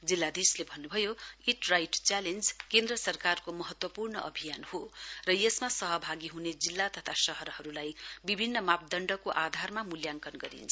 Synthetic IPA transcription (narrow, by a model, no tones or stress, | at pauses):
d͡zilːad̪islebʱʌnːubʱʌjoiʈrajʈt͡salend͡zkend̪rʌsʌrkarkomʌɦʌt̪wʌpurnʌʔʌbʱijanhorʌjesmasʌɦʌbʱaɡiɦuned͡zilːat̪ʌt̪ʰasʌɦʌɾʌhʌɾulajbibʱinːʌmap̚d̪ʌɳɖʌkoʔad̪ʱarmamuljaŋkʌnɡʌɾḭnt͡sʰʌ